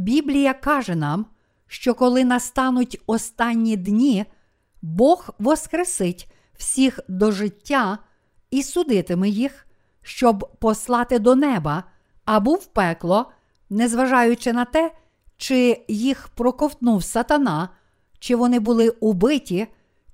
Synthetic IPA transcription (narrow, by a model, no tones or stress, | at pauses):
bʲiblʲijɐkɑʒɛnɑm | ʃt͡ʃɔkɔlˠɪnɐst̪ɑnʊtʲɔst̪ɑnʲːid̪nʲi | bɔɣʋɔskɾesɪtʲ | w̥sʲixd̪ɔʒɪtʲːa | isʊd̪ɪt̪ɪmɪjix | ʃt͡ʃɔbpɔslˠɑt̪ɪd̪ɔnɛbɐ | ɐbuwpɛklˠɔ | nɛzʋɐʒɑjʊt͡ʃɪnɐt̪ɛ | t͡ʃɪjixpɾɔkɔwt̪nuwsɐt̪ɐnɑ | t͡ʃɪʋɔnɪbʊlˠɪubɪtʲi